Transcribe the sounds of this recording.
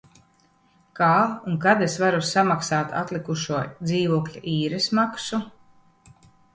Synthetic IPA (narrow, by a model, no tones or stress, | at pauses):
kaːuŋkad̪esvaɾusamaksaːt̪a̰t̪lˠikuʃuɔd̪ziːvuɔklʲaʔiːɾɛsmaksu